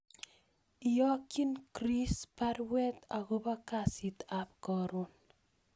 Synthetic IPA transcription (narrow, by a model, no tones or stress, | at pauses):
ijɔkinkɾispaɾwɛt̪aɣobakasit̪apkɔɾon